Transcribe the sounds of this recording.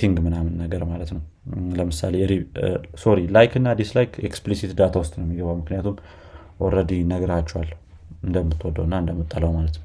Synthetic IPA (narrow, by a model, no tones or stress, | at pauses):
t̪ʰiŋɡmɨnamɨnːəɡəɾmalət̪nəwləmɨsa̰leɾiso̞ɾilajkɨnːad̪islajkʰeksplisit̪d̪at̪ʰawʊst̪ʼnəwmːiɡəβawmɨknijat̪ʰum | ʔɔɾəd̪inəɡəɾat͡ʃːɛwalː | ɨnd̪əmːɨt̪ʰːwɔd̪əwɨnːaɨnd̪əmːɨt̪ʼːələwmalət̪nə